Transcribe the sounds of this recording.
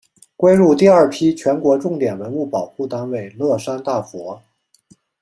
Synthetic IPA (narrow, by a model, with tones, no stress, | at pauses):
kwe˥ɪɻu˥˧t̪i˥˧ɐ˞˥˩pʰi˥t͡ɕʰɥɛ˧˥nkwɔ˧˥ʈ͡ʂʊ˥˩ŋt̪jɛ˨˩nwə˧˥nu˥˩pɑ˨˩ʊxu˥˩t̪a˥nwe˨˩ɪlwɤ˥˩ʂa˥nt̪a˥˩fwɔ˧˥